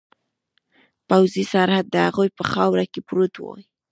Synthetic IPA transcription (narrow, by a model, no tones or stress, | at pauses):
pawzisaɾhad̪̚ːəhaɣujpəxɑwɾakepɾut̪wo̰i